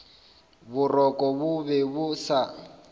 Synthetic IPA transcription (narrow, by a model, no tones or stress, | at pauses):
bʊrɔkʼɔbʊβɛbʊsa